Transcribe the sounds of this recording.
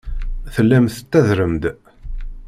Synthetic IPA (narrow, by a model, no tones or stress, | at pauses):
θəlːæmθt̪ːæðɾəmd̪